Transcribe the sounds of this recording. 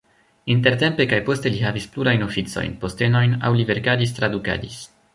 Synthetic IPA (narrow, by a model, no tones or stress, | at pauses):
int̬e̞ɾte̞mpe̞kajpo̞ste̞liɦavispluɾajno̞fit͡so̞̰jnpo̞ste̞no̞jna̰wlive̞ɾkadis̬t̪ɾaduka̰dis